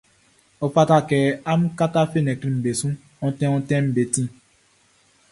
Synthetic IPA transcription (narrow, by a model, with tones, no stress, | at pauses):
o˨fa˦ta˦kɛ˨a˦m̩˦ka˦ta˦fe˦˨nɛ˨kɾi˨m̩˨be˨sũ˦ | ɔ˦tɛ̃˦ɔ̃˦tɛ̃˦m̩˦be˨tĩ˦